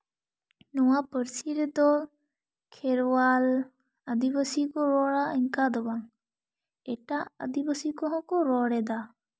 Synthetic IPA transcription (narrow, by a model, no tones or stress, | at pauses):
nɔwapəɾsiɾɛd̪ɔ | kʰɛɾwal | əd̪ibəsikɔɾɔɽaiŋkad̪ɔbaŋ | ɛʈaə̰d̪ibəsikɔɦɔ̃kɔɾɔɽɛd̪a